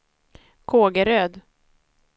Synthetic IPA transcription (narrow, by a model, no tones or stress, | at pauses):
kʰoːɡəɾøːd̪